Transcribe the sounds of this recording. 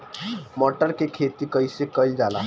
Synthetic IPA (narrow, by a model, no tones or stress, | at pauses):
mɔʈəɾkekʰet̪iːkəjsekəjld͡zala̰